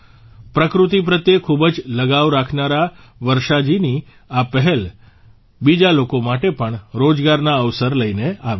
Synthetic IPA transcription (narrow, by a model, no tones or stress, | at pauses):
pɾəkɾut̪ip̬ɾət̪jekʰubəd͡ʒləɡaʋɾakʰnaɾa | ʋəɾʃad͡ʒini | apəɦɛl | bid͡ʒalokomaʈepəɳɾod͡ʒɡaɾnaəʋsəɾləineaʋ